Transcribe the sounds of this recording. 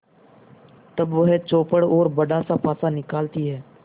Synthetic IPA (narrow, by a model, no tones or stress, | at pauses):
t̪əbʋəɦet͡ʃoːpəɽoːɾbəɖaːsapʰaːsaːnɪkaːlt̪iɦɛː